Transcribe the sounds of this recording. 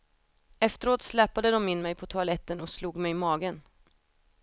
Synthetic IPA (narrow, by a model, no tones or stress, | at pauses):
ɛft̪əɾoːt̪slɛpad̪əd̪ɔmɪnmɛjpʰɔt̪ʰʊalɛt̪ːənɔksluːɡmɛjmɑːɡən